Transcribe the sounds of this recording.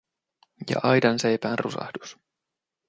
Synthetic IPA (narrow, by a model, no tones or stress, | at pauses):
jɑ̰ʔɑjdɑnse̞jpæːnrusɑ̰hd̥us